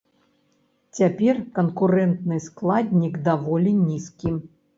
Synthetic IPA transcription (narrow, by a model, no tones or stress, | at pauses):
t͡sʲapʲɛrkɐnkuɾɛnt̪nɨsklˠad̪ʲnʲiɡd̪avɔlʲinʲiskʲi